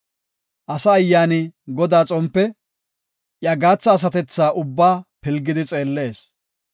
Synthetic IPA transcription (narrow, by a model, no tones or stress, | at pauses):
ʔɐsɐːjːaːnɪɡɔd̪aːt͡sʼɔmpːɛ | ʔjɐɡaːt͡sːɐːs̬ɐt̪ɛt͡sːaːʔʊbːaːpɪlɡːɪd̪ɪt͡sʼe̞ːlːe̞ːs